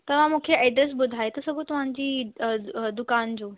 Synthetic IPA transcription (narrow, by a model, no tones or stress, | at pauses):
t̪ɐʋ̤ãmũːkʰeɐɪɖ̪əsbʊd̪ʱaːet̪ɐsɐɡõt̪ɐʋ̤ãɲd͡ʑiː | d̪ʊkaːnd͡ʑoː